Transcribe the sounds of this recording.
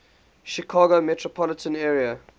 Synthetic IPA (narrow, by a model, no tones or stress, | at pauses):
ʃikʰaːɡomɛtɹopʰɔlɪtʰə̃nɛːɹiə